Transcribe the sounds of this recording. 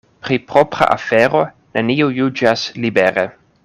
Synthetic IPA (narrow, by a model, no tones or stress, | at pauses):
pɾipɾopɾa̰ʔa̰feɾo̞ | neniojud͡ʒaslibeɾe